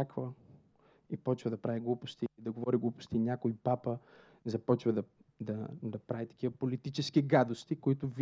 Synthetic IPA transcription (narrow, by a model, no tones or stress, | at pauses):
akvə | ipɔt͡ʃvɐd̪ɐpɾaviɡlˠupʊst̪iid̪ɐɡovɔɾiɡlˠupʊ̥st̪inʲakoipapə | zɐpɔt͡ʃvɐd̪ɐd̪ɐd̪ɐpɾavit̪ɐ̥k̟ʲivɐpolit̪it͡ʃɛskiɡad̪ost̪ikoit̪ʊv